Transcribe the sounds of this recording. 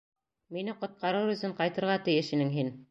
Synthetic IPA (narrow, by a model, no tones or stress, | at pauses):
minɘqŏt̪̚qɑɾɤwɵ̆θɘɴqɑjt̪ɤ̆ɾʁɑt̪ɘ̆jɘʃinɘŋɦin